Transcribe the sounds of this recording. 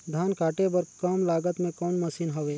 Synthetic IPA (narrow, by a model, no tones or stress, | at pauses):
d̪ʱjaːnkaːʈebəɾkəmlaːɡət̪mẽkɔːnməsiːnɦoʋeː